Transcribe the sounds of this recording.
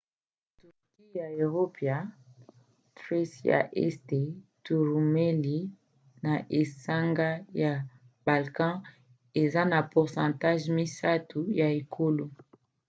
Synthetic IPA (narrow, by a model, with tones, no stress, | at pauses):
to˨ki˦ja˨e˨ʁo˦pja˨ | tʁe˦sja̰˨ʔɛ̰˦ste˨tu˨ʁu˨me˦li˦ | na˨ʔe˨sa˦ŋɡa˦ja˨ | b̥a˨lkã˦ | e˨za˦na˨pu˨ʁsɑ̃˨ta˦ʒmi˦sa˦tu˨ja˨e˨kʰo˦lo˦